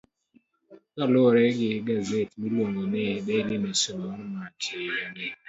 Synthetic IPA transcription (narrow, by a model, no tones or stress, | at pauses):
kalɔɾɛɡɪɡazetbilwoŋɡonɛbɛnɪmɛsomɔmatʰeɾɛnɪ